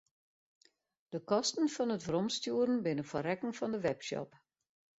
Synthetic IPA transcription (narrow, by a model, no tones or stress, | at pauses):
d̥əkɔstn̩fɔnətfrɔmstjuəɾn̩bɪnəfɔrɛkŋ̩fɔndəʋɛpʃɔ̰p